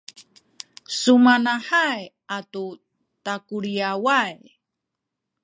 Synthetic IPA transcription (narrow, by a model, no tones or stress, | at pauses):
sumanaħaj | atu | takuɾiawaj